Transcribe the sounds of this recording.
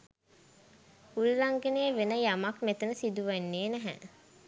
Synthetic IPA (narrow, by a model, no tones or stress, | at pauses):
hulːaŋɡeneːʋenəjamakmet̪ənəsid̪uʋenːeːnæɦæ̰